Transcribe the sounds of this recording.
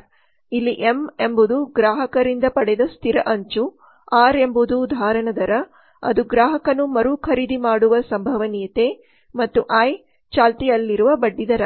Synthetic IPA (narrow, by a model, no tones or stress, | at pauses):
ɾ | ilːiʔeme̞mbud̪uɡɾaːɦɐkɐɾind̪ɐpɐɽɛd̪ɐst̪ʰiɾɐʔɐɲt͡ʃu | aːɾe̞mbud̪uːd̪ʱaːɾɐɳɐd̪ɐɾɐ | ɐ̰d̪uɡɾaːɦɐkɐnumɐɾukʰɐɾiːd̪ʱimaːɽuʋɐsɐmbʱɐʋɐnijɐt̪e | mɐt̪ːuʔaj | t͡ʃaːlt̪ijɐlːiɾuʋɐbɐɖːid̪ɐɾɐ